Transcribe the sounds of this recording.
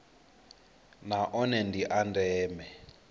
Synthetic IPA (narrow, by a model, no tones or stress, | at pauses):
naʔɔnɛndiʔandɛːmɛ